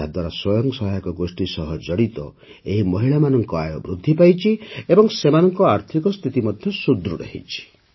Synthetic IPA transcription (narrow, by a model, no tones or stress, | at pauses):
ad̪waɾaswɔjɔŋksɔɦajɔkɔɡosʈisɔɦɔd͡ʒɔɽit̪ɔ̰ | eɦimɔɦiɭamanɔŋkɔajɔbɾud̪ʱːipajt͡ʃʰiebɔŋsemanɔŋkɔaɾt̪ʰikɔst̪ʰit̪imɔd̪ʱjɔsud̪ɾuɾḛhḭt͡ʃʰi̥